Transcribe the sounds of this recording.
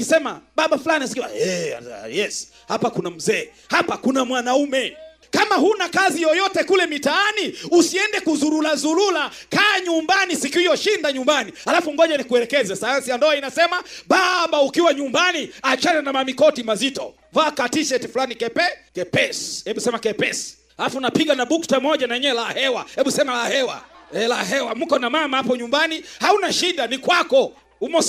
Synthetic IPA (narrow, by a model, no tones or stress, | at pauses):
isɛma̰ɓaɓafulaniasi̥kiwa̰ɛ̰jɛs | hapakunam̩zɛː | hapakunamwanaumɛ | kamahunakazijɔjɔtɛkulɛmitaaniusiɛndɛkuzuɾulazuɾula | kaːɲumbanisikiijɔʃindaɲumbanihalafum̩ɡɔʄanikuɛlɛkɛzasajansijandɔainasɛmaɓaɓaukiwaɲumbaniat͡ʃanɛnamamikɔtimazitɔ̰ | vaːkatiʃɛtifulanikɛpɛkɛpɛshɛɓusɛmakɛpɛsi̥ | halafunapiɠanaɓuktamɔʄanaɛɲɛɛlahɛwa̰hɛɓusɛmalahɛwa̰ɛlaɦɛwam̩kɔnamamahapɔɲumbanihaunaʃiɗanikwakɔ | umɔ